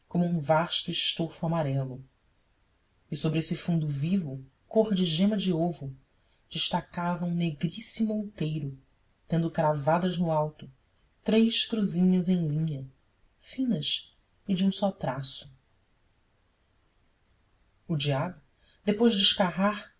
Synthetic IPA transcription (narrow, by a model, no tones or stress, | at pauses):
kõmuũvaʃt̪ʊɪʃt̪ofuamaɾɛlʊ | ɪsobɾɪesɪfũnd̪uvivʊ | koʁd͡ʒɪʒẽmɐd͡ʒiovʊ | d͡ʒɪʃt̪akavɐ̃w̃neɡɾisimuowt̪ejɾʊ | t̪ẽnd̪ʊkɾavad̪ɐznʊawt̪ʊ | t̪ɾejʃkɾuzĩɲɐzẽj̃lĩɲɐ | fĩnɐs | ɪd͡ʒiũsɔt̪ɾasʊ̥ | ud͡ʒiablʊ | d̪epojʒd͡ʒɪiʃkaɦaɾ